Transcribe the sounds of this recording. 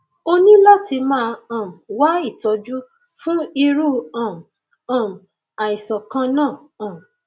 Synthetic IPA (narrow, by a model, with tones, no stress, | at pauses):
o˧nĩ˦lɔ˦ti˧mãː˦˧ã˨m˨wa˦i˦˨tɔ˧d͡ʒu˦ | fũ˦i˧ɾu˦ã˨m˨ | ã˨m˨ | a˨i˨sɔ˨kã˧nãː˦˨ | ã˨m˨